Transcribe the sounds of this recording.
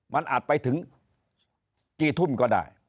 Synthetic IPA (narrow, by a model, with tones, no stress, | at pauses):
ma̰˧nʔa̰ː˨˩t̚pa˨˧˦jt̪ʰɨ˨˦ŋ | t͡ɕi˧˩t̪ʰu˧˩mkɔ˧nɗa̰ː˧˨j